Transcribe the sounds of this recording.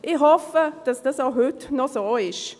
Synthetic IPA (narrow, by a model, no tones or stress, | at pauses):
ʔɪhɔfəd̪̥ɑsd̥̪ɑsoɦʉt̪nosoːɪʃ